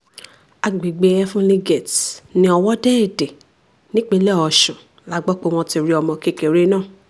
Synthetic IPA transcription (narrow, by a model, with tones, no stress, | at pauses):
a˨ɡ͡bi˨ɡ͡be˨˧˦jɛ˦fũ˦le˦ɡɛ˨tnĩ˧˦ɔ˧wɔ˦dɛ˦e˦˨de˨ | nĩ˦k͡pe˦lɛ˦˨ɔ˧˨ʃũ˨ | la˦ɡ͡bɔ˦k͡po˦w̃ɔ̃˧ti˧ɾi˧ɔ˧mɔ̃˧ke˦˨ke˨ɾe˦nãː˦˨